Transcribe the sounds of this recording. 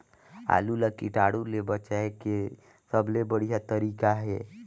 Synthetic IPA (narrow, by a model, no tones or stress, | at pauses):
a̰lulakiʈaːɽulebət͡ʃaeke | səblebəɽijat̪əɾiːkaɦe